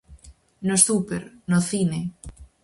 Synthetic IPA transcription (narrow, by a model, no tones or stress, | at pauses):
nosθupeɾnoθine